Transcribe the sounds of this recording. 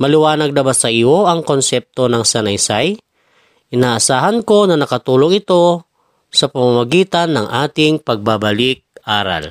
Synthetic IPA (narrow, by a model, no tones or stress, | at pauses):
mɐlɪwaːnɐɡ̚d̪ɐbasɐɪoʔɐŋkonsɛp̚t̪onɐŋsɐnɐjsaj | ʔɪnaːʔasaːɦɐnko̞nɐnɐkɐt̪uːloŋɪt̪o̞ | sɐpɐmamaɡiːt̪anːɐŋʔaːt̪ɪŋpɐɡ̚babɐlɪk̚ʔaːɾa̰l